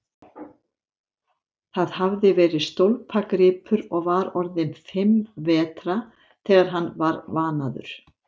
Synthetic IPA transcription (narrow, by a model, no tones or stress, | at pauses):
θaðɦavðɪvɛːɾɪst̪owlpʰakɾɪːpʰʏɾɔɣvaɾɔɾðɪnfɪmvɛːt̪ɾa | θɛːɣaɾ̥ɦanːvaɾvaːnaðʏ̰ɾ̥